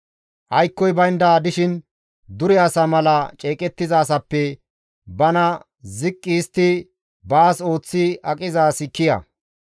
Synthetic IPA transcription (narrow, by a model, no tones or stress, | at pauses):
ʔɐjkːɔjbɐjnd̪aːd̪ɪʃɪn | d̪ʊɾɛɐsɐmɐlɐt͡ʃʼeːkʼɛt̪ːɪzaːs̬ɐpːɛ | bɐnɐ | zɪkʼːist̪ːɪ | baːso̞ːt͡sːɪɐkʼɪzaːsɪkːɪjɐ̰